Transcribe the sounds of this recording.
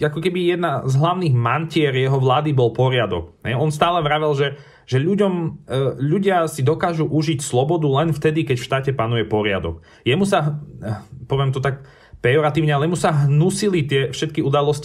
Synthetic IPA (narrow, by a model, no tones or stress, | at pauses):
akɔkɛbijɛd̪nazɦlaʊniɣmancɪɛɾjɛɦɔʋlaːd̪ibɔlpɔɾɪad̪ɔ̰kɦɛ̰jɔnst̪aːlɛʋɾaʋɛlˠʒɛ | ʒ̥ɛʎuɟɔmʎuɟɪasid̪ɔkaːʒuʔuʒicslɔbɔd̪ulɛnft̪ɛd̪ikɛcfʃt̪aːcɛpanujɛpɔɾɪa̰d̪ɔ̰k | jɛmusaɦ | pɔʋɪɛmt̪ɔt̪ak | pɾɛɔɾat̪iːʊɲɛalɛjɛmusaɦnusilit̪ɪɛfʃɛt̪̚kiud̪alɔsc